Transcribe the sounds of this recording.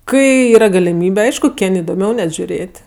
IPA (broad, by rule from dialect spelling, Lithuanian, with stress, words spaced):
ˈkɐɪ ˈiːrɐ ɡɐlʲɪˈmʲiːbʲɛ ˈɐɪʃkʊ ˈkʲɪnʲ ɪdoːˈmʲɛʊ nʲɛt ʒʲʊˈrʲeːtʲ